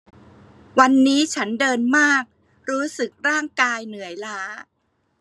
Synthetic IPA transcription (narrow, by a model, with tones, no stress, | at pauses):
wa˧nːiː˦˥t͡ɕʰa˦˥ndɤː˧nmaː˥˩k̚ | ɾuː˦˥sɯ˨˩k̚ɾaː˥˩ŋkaː˧jnɯ˨˩˦əjlaː˦˥